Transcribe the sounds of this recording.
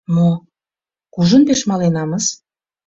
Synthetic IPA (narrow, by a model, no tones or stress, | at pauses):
mo | kuʒə̆npeʃmɑlenɑməz